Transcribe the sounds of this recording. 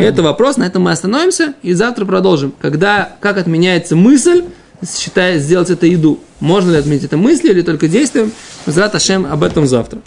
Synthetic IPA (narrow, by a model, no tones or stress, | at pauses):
ɛt̪əvɐpɾo̞snɐɛt̪əmːɨɐst̪ɐno̞vʲɪmsʲəizaft̪ɾəpɾɐd̪o̞lˠʐɨmkɐɡd̪akakɐt̪mʲɪnʲæjɪt̪səmɨsʲlʲ | ɕːɪt̪aɪzʲdʲe̞lˠətʲɛt̪əjɪd̪u | mo̞ʐnəlʲɪɐt̪mʲɪnʲitʲɛt̪əmɨsʲlʲilʲɪt̪o̞lʲkədʲejst̪vʲʊjɪmmɨzɾat̪ɐʂɛmɐbɛt̪əmza̰ft̪ɾə